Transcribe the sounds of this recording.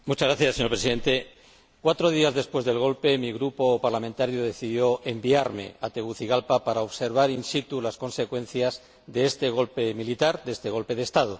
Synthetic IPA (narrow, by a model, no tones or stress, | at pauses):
mut͡ʃazɣɾaθjasːeɲoɾpɾesiðe̞nt̪e̞ | kwat̪ɾoð̞iazðe̞spwe̞zðe̞lɣ̞o̞lpe̞miɣɾupo̞paɾlamẽnt̪aɾjoð̞e̞θiðjo̞ʔe̞mbiaɾme̞̰at̪eɣuθiɣalpapaɾaoβse̞ɾβ̞aɾinsit̪ulasko̞nse̞kwẽ̞n̟θjaz | d̪eest̪e̞ɣ̞o̞lpe̞milit̪aɾd̪est̪e̞ɣ̞o̞lpe̞ðeːst̪að̞o